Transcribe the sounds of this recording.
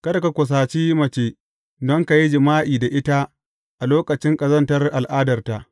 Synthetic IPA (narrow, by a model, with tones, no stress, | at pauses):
kɐ˦da˨ka˨kʷʊ˨s̬aː˨t͡ʃiː˦mɐ˨t͡ʃeː˨ | dɔ˦ŋka˨ji˦d͡ʒɪ˨maː˦ʔiː˨da˨ʔɪ˦ta˦ | ʔa˨loː˦kɐ˨t͡ʃɪ˦ŋkʼɐ˨zɐ˦ntɐ˦rʔa˨lʔaː˦dɐ˨rta˦˨ʔ